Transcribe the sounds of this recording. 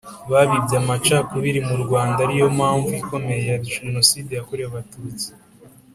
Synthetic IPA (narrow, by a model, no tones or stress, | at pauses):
βaβibjamat͡ʃakuβiɾimuɾɡwaːndaɾijo̞mhaːɱvuiko̞me̞jejaɾiʒeno̞siːdejakoɾejaβatuːt͡si̥